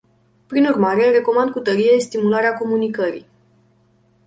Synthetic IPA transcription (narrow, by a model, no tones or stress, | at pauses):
pɾinurmaɾe̞re̞ko̞mand̪̚kut̪əɾije̞st̪imulaɾeako̞munikəɾḭ